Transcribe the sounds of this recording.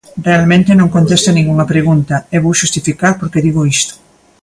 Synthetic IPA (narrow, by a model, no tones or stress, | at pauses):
realmẽnt̪enõŋkont̪est̪anĩŋɡuŋɐpɾeɣunt̪ɐeβowʃust̪ifikaɾpoɾkeðiɣoist̪ʊ̥